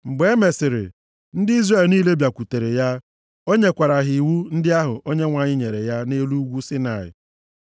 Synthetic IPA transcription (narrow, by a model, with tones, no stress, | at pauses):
ŋ͡m̩˨ɡ͡be˨˦me˨sɪ˨ɾɪ̰˨ | n̩˦dɪ˦i˦zre˦˨lniː˦le˦bja˨kʷu˨te˨ɾe˨ja˦ | o˦ɲe˦kʷa˨ɾa˨ɦɪ˨wu˦n̩˦dɪ˦a˦ɦʊ̰˨ʔo˦ɲe˦ŋʷa˨ɲɪ˦ɲe˨ɾe˨ja˦ne˦lu˦ɡʷu˦sɪ˦na˨ɪ̰˨